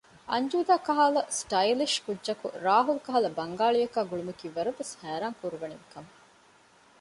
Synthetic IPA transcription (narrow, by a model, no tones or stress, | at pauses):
ɐɲd͡ʒuːd̪aːkɐɦaːlɐsʈɐjliʃkudːʒɐkṵɾaːɦulukɐɦɐlɐbɐŋɡaːɭijɐkaːɡuɭumɐkiːʋɐɾuʋeshæːɾaːŋkuɾuʋɐniʋikɐm